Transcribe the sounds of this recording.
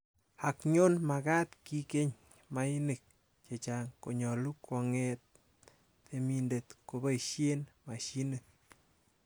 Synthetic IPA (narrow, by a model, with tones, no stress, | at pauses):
a˨kɲo˦nma˨ka˦t̪ki˦ke˦ɲ | ma˧i˦ni˨k̚ | t͡ʃe˨t͡ʃa˨ŋko˨ɲɔ˨lu˦kwɔ˧ŋe˦t̪̚ | e˧mi˧nde˨t̪ko˨ba˦jʃe˦nma˨ʃi˦nɨ